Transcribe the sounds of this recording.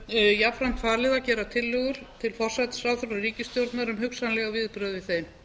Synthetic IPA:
jafɾam̥t̪faːɾlɪðacɛːɾat̪ʰɪlːʏːɣʏɾ̥t̪ʰɪlfɔr̥sajt̪sɾawθʏɾariːcɪst̪jowɾt̪naɾʏmɦʏksanlɛɣavɪðpɾœːðvɪθeːjm

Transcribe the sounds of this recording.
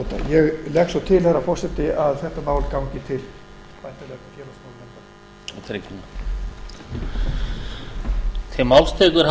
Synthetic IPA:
t̪a̰jɛɣlɛksɔt̪ʰɪlθɛrːafɔr̥sɛt̪ɪaðθɛht̪amaːwlkawɲcɪt̪ʰɪl | pajn̥t̪alɛt̪afjɛːlasmaːwlɛnt̪a | t̪ʰɾecn | t̪ʰɪmawlst̪ʰɛːkʏɾ

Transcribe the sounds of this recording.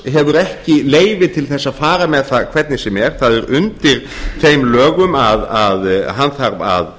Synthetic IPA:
ɦɛvʏɾɛhcɪleːjvɪt̪ʰɪlθɛsːaðfaːɾamɛðθakʰvɛt̪nɪsɛmɛɾ̥θaðɛɾʏnt̪ɪɾ̥θejmlœːɣʏmaðaðɦanθaɾva̰ð

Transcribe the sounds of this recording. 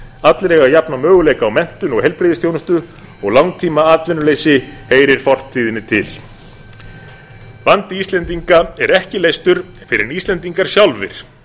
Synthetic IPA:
at̪lɾɛːɣajapnamœːɣʏleːjkaːwmɛn̥t̪ʏnɔɣhɛjlpɾeːðɪst̪jownʏst̪ʏ | ɔɣlawŋt̪ʰiːmaaːt̪lvɪnːʏleːjsɪheːjɾɪɾ̥fɔr̥t̪ʰːiːðɪnːɪt̪ʰɪl | vant̪ɪist̪lɛnt̪iŋkaɛɾɛhcɪleːjst̪ʏɾ̥ | fɪɾɪ̰ɾist̪lɛnt̪iŋkaɾ̥sjawlvɪ̰ɾ̥

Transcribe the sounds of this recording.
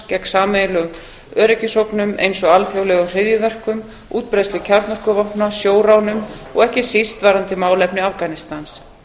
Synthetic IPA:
cɛksaːmejlʏ | œːɾɛcɪsowknʏmḛjnsɔɣalfjowlɛɣʏr̥ɪðjʏvɛr̥kʏm | uːt̪̚pɾejst̪vɪcʰaɾt̪nɔr̥kʏvɔhpnasjoːwɾawnʏmɔ̰ɣɛhcɪsist̪vaːɾant̪ɪmaːwlɛpnɪafkanɪst̪ans

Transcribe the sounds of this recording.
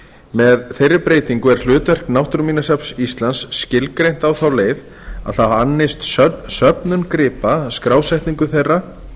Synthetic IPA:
mɛðθejrːɪpɾeːjt̪iŋkʏɛɾ̥l̥ʏːt̪vɛr̥knawht̪ɾmiːnasapsist̪lansːcɪlkɾejn̥t̪awθawleːjð | a̰ðθaðhanːest̪sœsœpnʏnkɾɪːpaskɾaːwsɛjht̪niŋkʏθejrːa

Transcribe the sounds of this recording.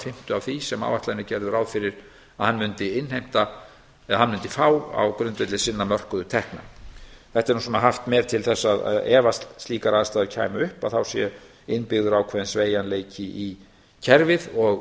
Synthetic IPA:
fɪm̥t̪ʏawvθisɛma̰wvaht̪laðnʏcɛɾðʏɾawðfɪɾɪɾ̥ | aðhanːmʏnt̪ɪɪnhejm̥t̪a | ɛhanmʏnt̪ɪfaːwa̰wkɾʏnt̪ɛt̪lɪsɪnːamœr̥kʏðʏt̪ʰɛhkna̰θɛht̪ɛɾnusɔnaɦaft̪mɛːɾ̥t̪ʰɪlθɛsːaða̰ðɛːvast̪lst̪liːkaɾaðast̪aðcʰa̰ːjmaʏhpaðθawsjɛ | ɪnːpɪɣðʏɾawkʰvɛːðɪnsveːjanleːjcɪʔi | cʰɛɾvɪðɔɣ

